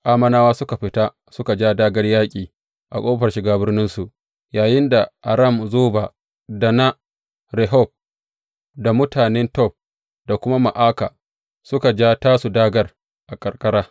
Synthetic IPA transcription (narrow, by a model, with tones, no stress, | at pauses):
ʔaː˦mɐ˦naː˦waː˦sʊ˦ka˨ɸɪ˨ta˦ | sʊ˦ka˨d͡ʒaː˦daː˦ɡɐ˦rjaː˦kʲʼiː˨ | ʔa̰˨kʷʼoː˦ɸɐ˨rʃɪ˨ɡaː˦bɪ˦rnɪ˦nsu˨ʔ | jaː˨jɪ˦nda˨ʔa̰˨ɾɐ˦˨mzoː˦ba˨ | da˨na˦ | ɾɛ˨ɦɔ˦˨p̚ | da˨mʊ˦taː˨nɛ˦ntɔ˦˨p̚ | da˨kʷʊ˦ma˦ma˨ʔaː˦kaː˨ | sʊ˦ka˨d͡ʒaː˦taː˦su˨daː˦ɡɐ˨r | ʔa˨kʼɐ˨rkʼɐ˦ɽaː˦